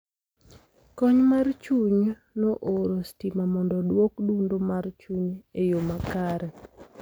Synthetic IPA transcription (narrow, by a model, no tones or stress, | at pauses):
kɔɲmart͡ʃuɲ | noʔoɾostimamɔndɔdwokdundomart͡ʃuɲejomakaɾɛ